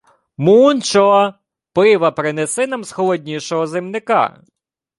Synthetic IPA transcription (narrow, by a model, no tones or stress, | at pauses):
munt͡ʃɔɔ | pɪʋɐpɾɪnesɪnɐmsxɔlˠɔdʲnʲiʃɔɦɔzɪmnɪkɑ̰